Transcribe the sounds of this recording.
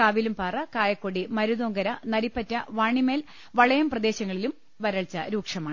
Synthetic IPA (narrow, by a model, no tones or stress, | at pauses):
kaːʋilumpaːrɐkaːjɐkːoɽimɐɾuðoːŋɡɐɾɐnɐɾipːɐtːɐʋaːɳime̞ːl | ʋɐɭɐjɐmprɐd̪e̞ːɕɐŋːɐɭilum | ʋɐɾɐɭt͡ɕːɐɾuːkʂɐmaːɳɨ